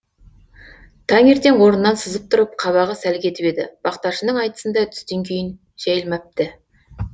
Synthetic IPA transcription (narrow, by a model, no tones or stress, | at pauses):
t̪ʰɑŋe̞ɾt̪e̞ŋwo̞ɾənːɑnsəzəp̚t̪ʰʊɾəp̚qʰɑβɑʁəsælkʲʰe̞t̪ɪpe̞d̪ɪ̰b̥ɑqt̪ɑʃənəɴɑjt̪ə̥sənd̪ɑt̪ʰʏ̥st̪e̞ŋkʲʰe̞jɪn | ʒ̥æjəlˠmɑt̪ɪ